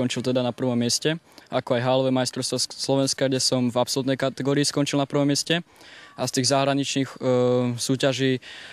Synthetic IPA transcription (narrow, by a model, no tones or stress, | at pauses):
ɔnt͡ʃilt̪ɛd̪anapr̩ʋɔmːɪɛscɛ | ʔakɔajɦaːlɔʋɛmajst̪ɾɔʊst̪ʋɔslɔʋɛnskaɡɟɛsɔmvapsɔlut̪nɛjkat̪ɛɡɔːɾiːskɔnt͡ʃilnapr̩ʋɔmːɪɛscɛʔast̪iːɣzaɦɾaɲit͡ʃniːxsuːcaʒiː